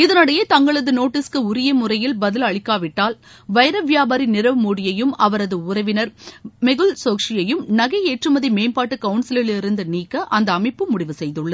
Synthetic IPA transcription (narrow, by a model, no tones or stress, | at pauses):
ɪðɐnɐɽɐjet̪ɐŋɡɐɭɐðɯnoːʈːɪskɯʊɾɪjɐmʊrɐjɪlbɐðɪlɐɭɪkːaːʋɪʈːaːl | ʋɐjɐɾɐʋjaːbɐːɾinɪɾɐʋɯmoːɽɪjɐjɯmɐʋɐɾɐðɯʊɾɐʋɪnɐɾmɛɣɯlsoːkʂɪjɐjɯmnɐɣɐɪeːʈrɯmɐðimeːnpaːʈːɯkɐʋɯɳsɪlɪlɪɾɯnd̪ɯniːkːɐʔɐnd̪ɐːmɐɪpːɯmʊɽɪʋɯsɛjðɯɭːɐð